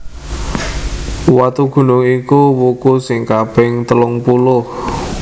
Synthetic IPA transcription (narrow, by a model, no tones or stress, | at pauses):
wat̪uɡ̥ṳnʊŋikuwukusɪŋkab̥ɪŋt̪əlʊŋpulʊh